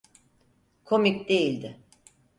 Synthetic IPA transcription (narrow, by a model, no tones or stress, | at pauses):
kʰomicd̪e̞jilʲd̪ɪ